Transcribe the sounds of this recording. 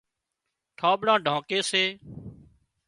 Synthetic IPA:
ʈʰaːɓɽãːɖʱãːkeːseː

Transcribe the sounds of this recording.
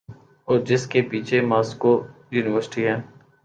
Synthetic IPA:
ɔːɾd͡ʒɪskepiːt͡ʃʰemaːskojuːnɪʋəɾsɪʈiɦɛ̃ː

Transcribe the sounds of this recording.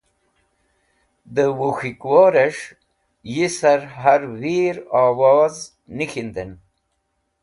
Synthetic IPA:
d̪əwuxikwoːɾeʂ | jisaɾɦaɾwiɾawoːz | nixind̪en

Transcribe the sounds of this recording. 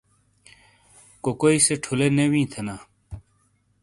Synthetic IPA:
kokoiseʈʰuleːnewĩːt̪ʰenaː

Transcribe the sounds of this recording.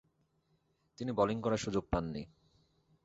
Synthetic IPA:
t̪inibɔliŋkɔɾaʃud͡ʑoɡ̚panːi

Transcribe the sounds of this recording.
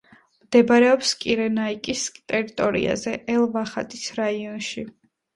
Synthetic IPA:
md̪̥ɛbaɾɛɔpskʼiɾɛnaikʼist̪ʼɛɾit̪ʼɔɾḭa̰zɛʔɛlˠvaχat̪ʼisɾaiɔnʃi

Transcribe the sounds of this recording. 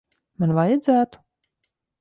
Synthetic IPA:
manvajad̪zæːt̪u̥

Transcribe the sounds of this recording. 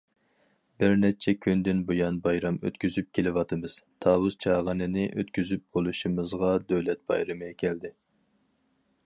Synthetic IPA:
bɪɾnɛt͡ʃʰɛkʲʰynd̪ɪnbojɑnbɑjɾɑmø̰t̪kʲyzyp̚kʲʰelɪwɑt̪ʰɨmɨz̥t̪ʰɑːwuz̥t͡ʃʰɑːʁənɨnɪʔøt̪kʲyzyp̚bolˠuʃɨmɨzʁɑd̪øwlɛt̪̚b̥ɑ̰jɾɨmɨɛkʲʰɛld̪ɪ

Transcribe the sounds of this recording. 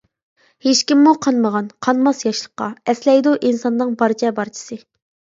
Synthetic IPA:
heʃkʲimːuqʰɑnməʁɑnqʰɑnmɑsjɑʃlˠəqːɑ̰ɛslɛjd̪uʔinsɑnːɨŋbɑɾt͡ʃʰɛbɑɾt͡ʃʰɪ̥sɨ

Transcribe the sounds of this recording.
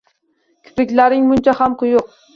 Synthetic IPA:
kʲʰʊ̥pɪkʲlaɾɪŋmʊnt͡ʃʰahamqʊjʊq̚

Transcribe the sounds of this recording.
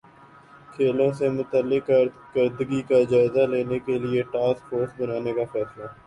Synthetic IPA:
kʰeːlõsemʊt̪əlːɪkəɾ | kəɾd̪əɡikad͡ʒaːɪzaleːnekelieʈaːskfʰoːɾsbənaːnekafɛːslaː

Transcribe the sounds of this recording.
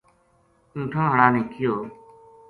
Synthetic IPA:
ĩːʈʰõːɦəɳaːnĩːkʰɪjoː

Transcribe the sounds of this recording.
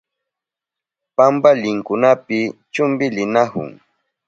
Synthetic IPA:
pambalɪŋkʊnapɪt͡ʃʊmbɪlɪnahʊ̰ŋ

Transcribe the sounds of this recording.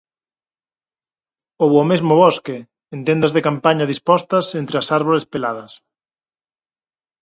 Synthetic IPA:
oβomezmʊβɔske | ent̪end̪ɐzðekampaɲɐðispɔst̪ɐsent̪ɾeɐsaɾβolespelað̞ɐs

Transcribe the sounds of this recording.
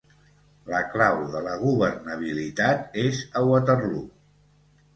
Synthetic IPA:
ləklawðələɣ̞uβərnəβ̞ilit̪at̪ezəwət̪ərlu

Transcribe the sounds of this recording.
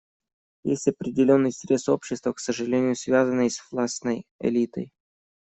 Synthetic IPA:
jḛsʲtʲɐpɾʲɪdʲɪlʲo̞nːɨjsʲɾʲe̞so̞pɕːɪst̪vəksəʐɨlʲenʲɪjʊsvʲazənːɨjsvlˠasnəjɪ̰lʲit̪ə̰j

